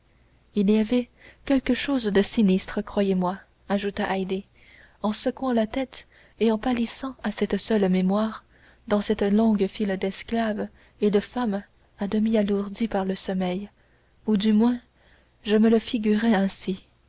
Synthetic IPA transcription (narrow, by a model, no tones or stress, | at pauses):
iliavɛkʲɛlkəʃoːzd̪əsinist̪χəkχwajemwa | aʒut̪aʔajd̪e | ɑ̃sɔkwɑ̃lat̪ɛt̪ | eɑ̃palisɑ̃asɛt̪sœlmemwaːʁ | d̪ɑ̃sɛt̪lɔ̃ɡfild̪ɛsklav | ed̪əfam | ad̪əmialuʁd̪ipaʁləsɔmɛj | ud̪ymwɛ̃ | ʒəmələfiɡʲyʁɛɛ̃si